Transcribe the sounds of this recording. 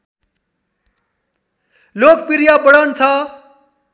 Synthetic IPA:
lokpiɾjapʌɽʌnt͡sʰʌ

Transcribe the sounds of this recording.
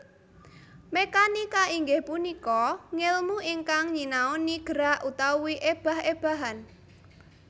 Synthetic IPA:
mekanikaiŋɡɪhpunikɔŋɪlmuʔiŋkaŋɲinaɔniɡ̥ə̤ɾaʔut̪auwiʔeb̥a̤ɦeb̥a̤ɦan

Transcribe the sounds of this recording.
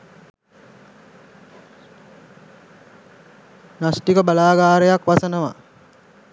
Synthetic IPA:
nasʈikəbalaːɡaːɾejakʋasɐnɐʋa̰

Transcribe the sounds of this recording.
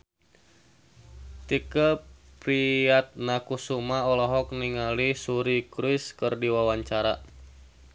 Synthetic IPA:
t̪ikəpɾiat̪̚nakusumaɔlɔɦɔk̚niŋalisuɾikɾuiskərdiwawaɲt͡ʃaɾa

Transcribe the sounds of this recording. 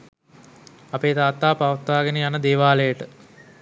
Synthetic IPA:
ɐpeːt̪aːt̪ːaːpaʋət̪ːaːɡenəjanəd̪eːʋaːləjəʈə

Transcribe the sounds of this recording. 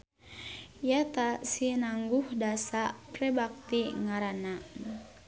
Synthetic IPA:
jat̪asinaŋɡuhdasapɾɛbak̚t̪iŋaɾana

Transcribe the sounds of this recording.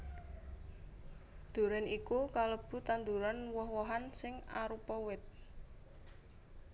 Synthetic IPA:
d̪̥ṳɾɛnikukaləb̥ṳt̪and̪uɾanwɔhwɔɦansɪŋaɾupɔwɪt̪̚

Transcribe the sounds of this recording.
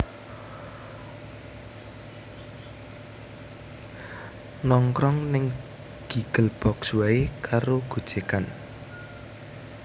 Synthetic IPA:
nɔŋkɾɔŋnɪŋ | ɡ̥iɡ̥əlb̥ɔkswaekaɾoɡ̥ud̥d͡ʒ̥e̤kan

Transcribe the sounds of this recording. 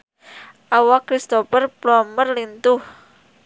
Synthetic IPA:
ʔawakɾist̪opərplɔmərlint̪ʊh

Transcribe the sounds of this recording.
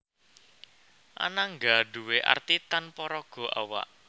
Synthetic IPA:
ʔa̰naŋɡaɖ̥uweʔa̰rt̪it̪anpɔɾɔɡ̥ɔ̤ʔa̰wa̰ʔ

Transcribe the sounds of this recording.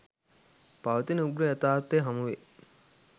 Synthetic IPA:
paʋɐt̪inəuɡɾəɐt̪aːt̪ːeɦɐmuʋe

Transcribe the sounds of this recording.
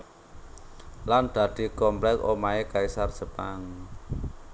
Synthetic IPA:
land̪̥ä̤d̪̥i̤kɔmplɛkomaekaisarsəpaŋ

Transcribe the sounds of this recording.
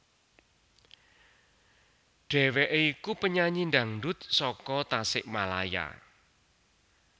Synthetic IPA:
ɖ̥ɛ̤wɛʔeikupəɲaɲind̪aŋɖʊt̪̚sɔkɔt̪asɪʔmala̰ja̰

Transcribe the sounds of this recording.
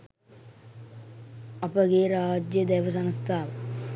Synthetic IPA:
ɐpɐɡeːɾaːd͡ʒjɐd̪ɛjʋɐs̬ɐnst̪ʰaːʋɐ

